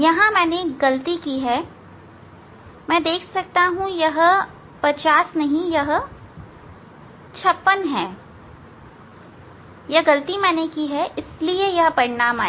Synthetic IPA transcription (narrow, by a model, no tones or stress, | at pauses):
jɐɦãmɛ̃ːneːk̚ɡɐlt̪ikiːɦɛː | mɛ̃ːd̪eːkʰsɐk̚t̪aɦũjɐɦ | pɐt͡ʃaːsnɐɦĩjɐɦ | t͡ʃʰɐpːənɦɛː | jɐɦɡɐlt̪imɛ̃ːnekiɦɛʔɪsliejɐɦpɐɾɪnaːmaː